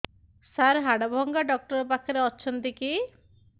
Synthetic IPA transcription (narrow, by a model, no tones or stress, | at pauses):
saɾɦaɽɔbʱɔŋɡaɖɔk̚ʈɔɾɔpakʰɔɾeɔːt͡ʃʰɔnt̪iki